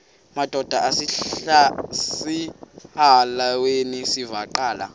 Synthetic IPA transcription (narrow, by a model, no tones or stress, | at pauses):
mad̥ʱɔd̥ʱaʔasiasihalawenisivaǃaːla̰